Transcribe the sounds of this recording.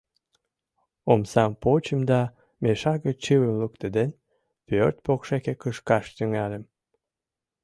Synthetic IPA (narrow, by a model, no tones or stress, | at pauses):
omsɑmpot͡ɕəmd̪ɑ | meʃɑɣət͡ɕɨwəmlukt̪əd̪en | pørt̪̚pokʃekekəʃkɑʃt̪yŋɑlem